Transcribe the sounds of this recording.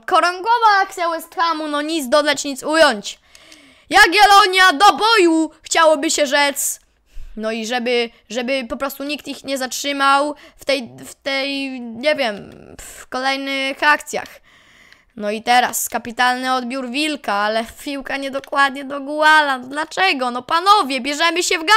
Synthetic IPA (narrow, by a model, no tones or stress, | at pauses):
kɔɾɔŋɡɔvaak̚t̪sʲjawɛst̪xamunɔɲit̪zd̪ɔd̪at͡ɕɲit̪sujɔɲt͡ɕ | jaɡʲɛlɔɲjad̪ɔbɔjuxt͡ɕawɔbɘɕɛʐɛt̪s | nɔiʐɛbɘ | ʐɛbɘpɔpɾɔst̪uɲik̚t̪ixɲɛzatʂɘmawft̪ɛjft̪ɛjɲɛvʲjɛmfkɔlɛjnɪxak̚t̪sʲja̰x | nɔit̪ɛɾa̰skapʲit̪alnɘɔd̪bʲjuɾvʲilkaalɛpʲiwkaɲɛd̪ɔkwad̪ɲɛd̪ɔɡwalanɔd̪lat͡ʂɛɡɔnɔpanɔvʲjɛbʲjɛʐɛmɘɕɛvɡa